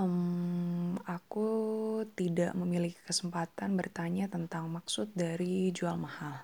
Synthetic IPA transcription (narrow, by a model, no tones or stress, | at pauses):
m | akut̪ida̰ʔməmiliki̥kəsəmpat̪anbərt̪aɲat̪ənt̪aŋmaksʊt̪̚daɾid͡ʒualmahal